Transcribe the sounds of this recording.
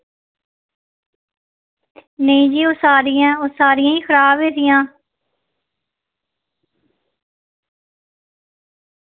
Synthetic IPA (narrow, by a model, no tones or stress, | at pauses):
nəĩːd͡ʒiːoːsaːɾɪjãːoːsaːɾɪjãːĩːxʰəɾaːbɦeːɾɪjãː